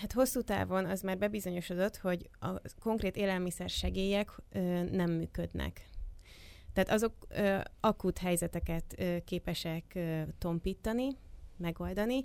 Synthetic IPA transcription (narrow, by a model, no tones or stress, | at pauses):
hat̪ho̞sːuːt̪a̰ːvo̞nɒzmaːrbɛbizo̞ɲo̞ʃo̞d̪o̞t̪ho̞ɟɒ̰ko̞ŋkreːt̪eːlɛlmisɛrʃɛɡeːjɛkøːnɛmːy̰ːkød̪nɛ̰k | t̪ɛːt̪ɒzo̞køɒkut̪ɦɛjzɛt̪ɛkɛt̪økːeːpɛʃɛkøːt̪ːo̞mpiːt̪ːɒnimɛɡo̞ld̪ɒni